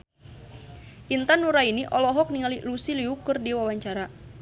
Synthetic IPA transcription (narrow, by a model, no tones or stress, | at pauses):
ʔint̪anːuɾainiʔɔlɔɦɔk̚niŋalilusiliukɨrdiwawaɲt͡ʃaɾa